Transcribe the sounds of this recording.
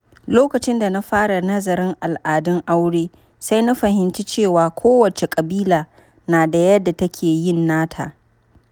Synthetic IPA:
loː˦kɐ˨t͡ʃɪ˦nda˨na˦ɸaː˦ɽa˨nɐ˦zɐ˨ɾɪ˦ŋʔa˨lʔaː˨dɪ˦ŋʔa˦wɽeː˦ | sa˦jna˦ɸɐ˨hɪ˨˦nt͡ʃi˦t͡ʃeː˦˨waː˨kʷʰoː˦wɐ˨t͡ʃe˨kʼɐ˨biː˦laː˨ | naː˨da˨jɐ˦dːa˨tɐ˦kʲʰeː˨jɪ˦˨nːaː˦tʰa̰ː˨

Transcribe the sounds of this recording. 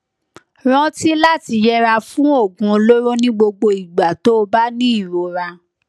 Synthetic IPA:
ɾ̃ɔ̃˦ti˦la˦ti˧jɛ˦ɾa˧fũ˦o˦˨ɡũ˧o˧lo˦ɾo˦nĩ˦ɡ͡bo˧ɡ͡bo˧i˨ɡ͡ba˨to˦o˧ba˦nĩ˦i˦˨ɾo˨ɾa˧

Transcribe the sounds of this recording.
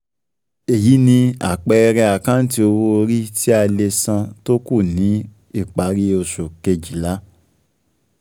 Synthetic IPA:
e˨ji˨˦nĩ˧a̰˨k͡pɛ˧ɾɛ˧a˨kã˦n̩˦ti˦o˧wo˧o˧ɾi˦ti˦a˧le˧sã˧to˦ku˦˨nĩ˨˦ | i˦˨k͡pa˨˦ɾi˧o˧so˨ke˧d͡ʒi˨la˦

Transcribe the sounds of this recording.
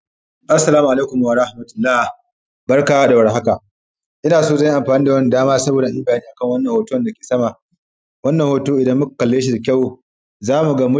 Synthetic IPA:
ʔa˦sːɐ˨laː˦mu˨ʔa˨le˦kʊ˨mː˨wa˨ɾɐ˦hmɐ˨tʊ̥˦lːaː˦ | bɐ˦rka˨waː˦da˨wɐ˨rɦa˦ka˨ | ʔɪ˦naː˨soː˦zɐ˦jʔa˨ɸaː˨niː˦da˨wɐ˦ni˨daː˦maː˦sɐ˦boː˨da˨ɪ˦mbaː˨niː˦ʔa˨kɐ˦ŋwɐ˦nːɐ˨ŋhoː˨to˦˨nda˨kʲe̥ː˨sɐ˦ma˨ | wɐ˦nːɐ˨ŋhoː˨toː˦ʔɪ˨dɐ˦mːʊ˦k̚ḁ˨kɐ˨lːeː˦ʃ̬i˨da˨kʲa˦˨w | zaː˦mu˨ɡa˦mʊ˦

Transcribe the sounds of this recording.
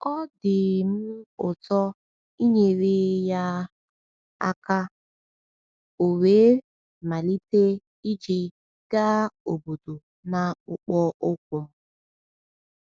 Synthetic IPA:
ɔ˦dɪ˨m̩˦ʊ˨tɔ˦ | i˦ɲe˨ɾe˦ja˦ | a̰˦ka˦ | o˨weː˨˦ | ma˨li˦te˦ | i˦d͡ʒi˨ | ɡ̥a˦o˨bo˨do˨ | na˨ʊ˨k͡pɔ˦ʊ˦k̚ʷʊ˨m̩˦

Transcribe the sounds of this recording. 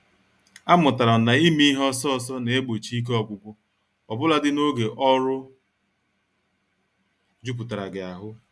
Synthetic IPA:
a˦mʊ˨ta˨ɾa˨na˨i˦mi˦i˦ɦɔ˦sɔ˦ɔ˨sɔ˦ne˨e˦ɡ͡bo˨t͡ʃi˦i˦k̬e˦ɔ˨bʷʊ˦bʊ˦ | ɔ˨bʊ˦la˨dɪ˦no˦ɡe˨ʔɔ˦ɾʊ˦ | d͡ʒu˦p̬ʊ˨ta˨ɾa˨ɡɪ˨a˨ɦʊ˦

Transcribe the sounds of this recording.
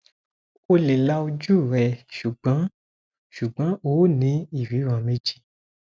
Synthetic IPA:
o˧le˨la˧˦o˧d͡ʒu˦˨ɾɛ˨ʃu˨ɡ͡bã˨˦ | ʃu˨ɡ͡bã˨˦oː˨˦nĩ˨˧˦i˦˨wi˨˦ɾã˨me˧˦d͡ʒi˦

